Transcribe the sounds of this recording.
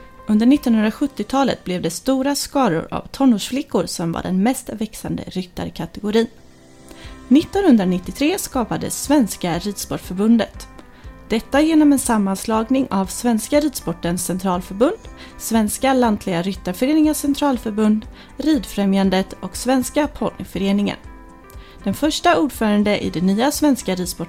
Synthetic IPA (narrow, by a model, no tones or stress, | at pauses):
ɵnd̪əɾɳɪt̪ːɔnhɵnɾaɧɵt̪ːɪt̪ʰɑːlə̰t̪̚blɛvd̪ɛst̪uːɾaskɑːɾʊ̰ɾa̰vt̪ʰɔnːoːʂflɪkːʊɾsɔmva̰ɖɛ̰nmɛst̪vɛksa̰nd̪ə̰ɾʏt̪ːa̰ɾkʰat̪ɛɡʊɾiːn | nːɪt̪ːɔnhɵnd̪ɾanɪt̪ːɪt̪ʰɾeːskɑːpad̪ə̰svɛnskaɾiːd̪spɔʈfœɾbɵnd̪ət̪ | d̪̥ɛt̪ːajeːnɔmɛnsamːanslɑːɡnɪŋavsvɛnskaɾiːd̪spɔʈːənsːɛnt̪ʰɾɑːlfœɾbɵnd̪ | svɛnskalant̪ʰlɪɡaɾʏt̪ːaɾfœɾeːnɪŋasɛnt̪ʰɾɑːlfœɾbɵnd̪ | ɾiːd̪fɾɛmjand̪ət̪ɔksvɛnskapʰɔlfœɾeːnɪŋə̰n | d̪̥ɛnfœʂʈauːɖfœːɾand̪əʔɪ̰d̪ɛnyːasvɛnskaɾiːd̪spɔ